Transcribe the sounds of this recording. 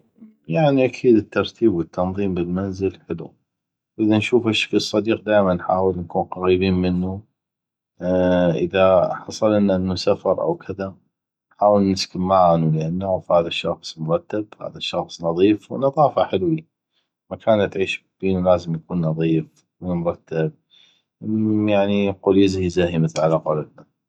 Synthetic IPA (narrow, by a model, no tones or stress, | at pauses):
jaʕniʔakʰiːd̪ət̪ːɑɾˤt̪ʰiːbwət̪ːɑnðˤiːmbɪlmanzɪlħɪlṵ | wʔɪðanʃuːfaʃfisˤːɑd̪iːq̚d̪aːjmanħaːwəlnkuːnqɑɣiːbiːnmɪnːu | ʔɪ̰ðaħɑsˤɑlʔɪnːaʔɪnːusafɑɾˤʔa̰wkʰɪða | ħaːwəlnɪskɪmːaʕnulʔanːafhaːðaʃːɑxsˤmʊɾˤɑt̪ːabha̰ːðaʃːɑxsˤnɑðˤiːfwnɑðˤɑːfaħɪlwi | makʰaːnt̪ʕiːʃb̥iːnulaːzəmjakuːnːɑðˤiːf | mʊɾˤɑt̪ːab̚ | jaʕniqʊlɪzhizahiməθlʕalaqɑlad̪na